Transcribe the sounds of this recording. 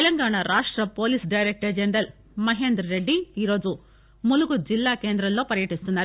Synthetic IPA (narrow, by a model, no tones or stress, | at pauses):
t̪lɐŋɡaːɳaɾaːʂʈɾɐpo̞ːliːsɖɐjɾek̚ʈɐd͡ʒeɳɖɐl | mɐɦe̞ːnd̪ɾɐɾe̞ɖːiiːɾo̞ːd͡ʒu | muluɡud͡ʒilːaːke̞ːnd̪ɾɐmlo̞ːpɐɾjɐʈist̪unːaːɾu